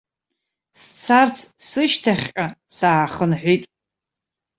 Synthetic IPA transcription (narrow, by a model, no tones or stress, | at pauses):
st͡sʰart͡sʰsɨʃtʰaχʲqʲʼasaːχənħʷitʼ